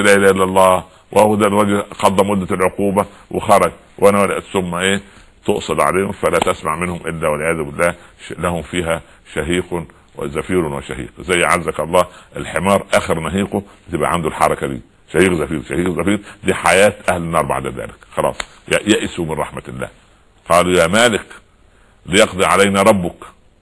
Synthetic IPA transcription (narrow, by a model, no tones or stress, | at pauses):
læːʔelæːhʔelːælˤːɑː | wʔhowd̪æˤɑːd͡ʒɪlqɑd̪ˤːɑmʊd̪ːælʕoquːbæ | wexɑɾˤɑɡ | wʔænæwælæʔt̪sʊmːæʔeː | t̪oʔsˤɑd̪ˤʕa̰leːhʊmfælæːt̪æsma̰ʕmɪnhʊmʔɪlːæwɪlʕejæːðʊbɪlːæːlæhʊmfiːɦæ | ʃæɦiːq | w̰zæfiːɾnweʃæ̰ɦḭːqzæjːʕazːækɑlˤːɑːʔelħemɑːɾˤʔæːxɪɾnæɦiːqobɪt̪ɪbʔæ̰ʕand̪ulħɑɾˤɑkæd̪ḭː | ʃæhiːqzæfiːɾʃæhiːqzæfiːɾd̪iːħajæːt̪ʔæhlɪnːɑːɾˤba̰ʕd̪æðæ̰ːlɪkxɑlɑ̰ːsˤ | jæʔsumɪnɾˤɑ̰ħmælːæ̰ːh | qɑːlujæːmæːlɪk | lɪjɑqd̪ˤiʕalæjnæɾˤɑbːʊk